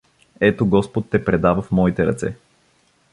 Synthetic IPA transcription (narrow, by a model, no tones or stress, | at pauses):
ɛt̪oɡɔspot̪ːɛpɾɛd̪avəfmɔit̪ɛɾɐ̰t̪sɛ